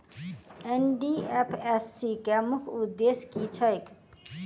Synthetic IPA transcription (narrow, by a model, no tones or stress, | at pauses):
enɖiepʰesːikamukʰud̪ːeskit͡ʃʰʌjk